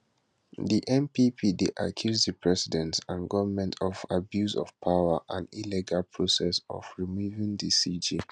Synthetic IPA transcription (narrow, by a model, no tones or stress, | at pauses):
diʔɛ̃mpipʰideʔakʰjuzdəpʰɹɛsidɛ̃ntãnɡɔvəmɛ̃ntʰɔfabjuzɔ̰fpʰaʊəʔãniliɡalpʰɹosɛsɔ̰fɹimuvĩŋdisid͡ʒi